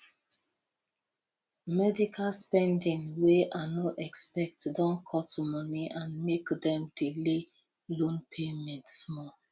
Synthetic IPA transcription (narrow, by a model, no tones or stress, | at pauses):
mɛdikʰalspɛ̃ndĩŋweʔanoʔɛkspɛk̚tdɔ̃nkʰɔtumɔniʔãnmekdɛ̃mdile | lõnpʰemɛ̃ntsmɔ